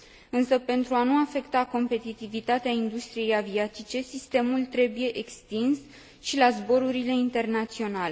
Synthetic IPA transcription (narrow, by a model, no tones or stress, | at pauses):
ɨnsəpe̞nt̪ɾuanuafe̞kt̪ako̞mpe̞t̪it̪ivit̪at̪eaind̪ust̪ɾije̞javiat̪it͡ʃe̞sist̪e̞mult̪ɾe̞buje̞ʔekst̪ins | ʃilazbo̞ɾuɾile̞int̪e̞rnat̪sio̞nale